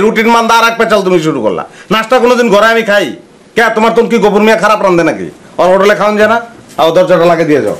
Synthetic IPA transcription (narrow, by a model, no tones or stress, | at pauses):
ɾuʈinmand̪aɾak̚pɛt͡ɕalt̪̬umiʃ̬uʈuko̰la̰nasʈakonod̪inɡʱɔɾaamikʰaj | kɛ̃t̪omaɾt̪omk̬iɡopuɾmijakʰaɾapɾand̪enakḭ | ɔɾɦoʈelekʰaond͡ʑanaaod̪ɔɾd͡ʑaʈalaɡed̪ijed͡ʑa̰o